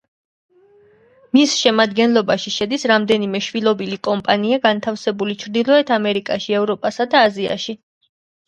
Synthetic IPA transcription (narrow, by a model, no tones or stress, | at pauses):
misʃɛmad̪ɡɛnlˠɔbaʃiʃɛd̪isɾamd̪ɛnimɛʃwilˠɔbilikʼɔmpʼaniaɡant̪ʰafsɛbulit͡ʃʰɾd̪ilˠɔɛt̪ʰamɛɾikʼaʃiɛvɾɔpʼasad̪aːzia̰ʃi